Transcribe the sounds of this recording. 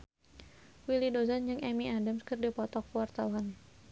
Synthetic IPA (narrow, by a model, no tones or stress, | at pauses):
wilidozand͡ʒɨŋʔɛmiadamskɨrdipɔt̪ɔkuwart̪awan